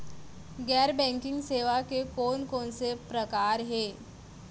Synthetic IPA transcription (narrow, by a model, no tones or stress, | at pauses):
ɡɛɾbɛ̃ŋkɪŋɡseʋakekonkonsepɾəkaɾɦe